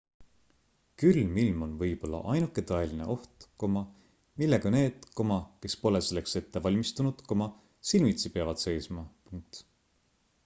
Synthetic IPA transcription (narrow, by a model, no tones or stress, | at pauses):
kylmilmo̞nvɤjb̥o̞lːɑ̰ʔɑjnukːˑe̞t̪ɑeline̞̰ʔo̞ht̪ko̞mɑ | milːeɡ̥ɑne̞ːd̪̥ko̞mɑke̞spo̞le̞se̞lːekse̞t̪ːe̞vɑlʲmist̪unud̪̥ko̞mɑ | silmit̪sipeɑvɑd̪̥se̞jsmɑpuŋk̚t̪